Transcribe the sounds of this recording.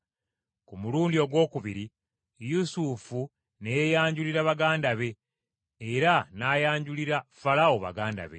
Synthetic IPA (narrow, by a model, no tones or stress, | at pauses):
kumuluːndio̞ɡwo̞ːkuβiɾi | jusufu | nejaːɲɟuliɾaβaɡaːndaβe̞ː | ɾanaːjaːɲɟuliɾafalawoβa̰ɡaːnda̰βe̞̰